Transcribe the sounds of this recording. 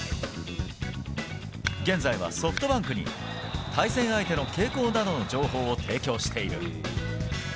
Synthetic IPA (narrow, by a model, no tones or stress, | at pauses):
ɡẽ̞nd͡zaiβ̞a̰so̞ɸɯ̥t̪o̞bãŋkɯ̟ɲ̟ḭ | t̪aisẽ̞ɰ̃ait̪e̞no̞ke̞ːko̞ːnad̪o̞no̞d͡ʑo̞ːɦo̞ːot̪ʰe̞ːkʲo̞ːɕi̥t̪e̞iɾɯ̟̰